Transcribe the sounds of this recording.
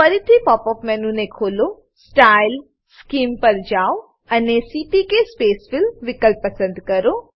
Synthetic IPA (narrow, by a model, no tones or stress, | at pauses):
fəɾit̪ʰipɔːpɔːfmɛnũnekʰoːlo | sʈail | skiːmpəɾd͡ʒao | ənesiʈikespeːsfɪlʋɪkəlp̚pəsə̃nd̪kəɾo